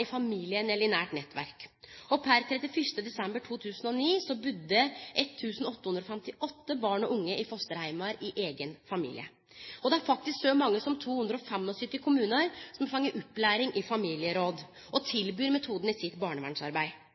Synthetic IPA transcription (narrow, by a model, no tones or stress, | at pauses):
ɪfɑmiːlɪənɛlɪnæːʈnɛt̪ːʋæ̰ɾkɔpʰæɾt̪ʰɾɛt̪ɪfʏʂʈəd̪ɛsɛmbəʈʰuːt̪ʰʉːsnɔniːsɔbʉd̪ːəʔɛt̪ʰːʉːsn̩ɔt̪ːəhʉnd̪ɾɔfɛmt̪ɪʔɔt̪ːəbɑːɳɔʔʊŋːəʔɪfɔst̪əɾhæɪmɑɾɪʔeːɡənfɑmḭːlɪ̰ə | ɔd̪ɛæɾfɑkt̪ɪsksɔmɑŋːəsɔmt̪ʰuːhʉnd̪ɾɔɔfɛmːɔsʏt̪ɪkʰʊmʉːnəɾsɔmfɑŋːəɾʔʉpːlæːɾɪŋʔɪfɑmiːlɪəɾoːd̪ | ɔt̪ʰɪlbyːɾmɛt̪ʰuːd̪ən̩ɪsɪt̪bɑːɳəʋæ̰ɳʂɑɾbæɪ